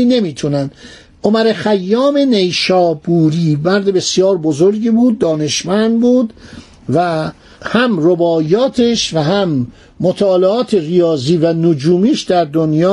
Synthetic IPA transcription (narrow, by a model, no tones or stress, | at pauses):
iːne̞miːt̪ʰunænd̪̥ | ʔo̞mæɾexæjːɒːme̞ne̞jʃɒːbuːɾiːbæɾd̪ebe̞sjɒːɾbo̞zoɾɟiːbuːd̪̚ːɒːne̞ʃmænd̪buːd̪ | væ | hæmrobɒːjɒːt̪ʰeʃvæɦæmː | ot̪ʰɒːleɒːt̪ʰeɣijɒːziːvænod͡ʒuːmiːʃd̪æɾd̪onjɒː